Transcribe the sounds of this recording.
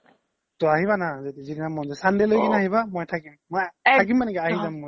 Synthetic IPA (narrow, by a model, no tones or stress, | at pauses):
tɔaɦiβanazɛtɛzininamɔnzɛsandɛlojkinaɦibamojtʰakimːojtak̬imːanɛkɛaɦizamːoj